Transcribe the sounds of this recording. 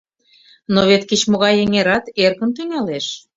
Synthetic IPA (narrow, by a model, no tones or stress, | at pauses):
noβet̪kət͡ɕmoɣɑjeŋeɾɑt̪erkə̆nt̪yŋɑleʃ